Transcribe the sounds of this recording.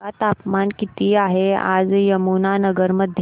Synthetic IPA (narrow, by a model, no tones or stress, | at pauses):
at̪apmankit̪ʰiaɦea̰d͡zjəmunanəɡəɾməd̪ʱj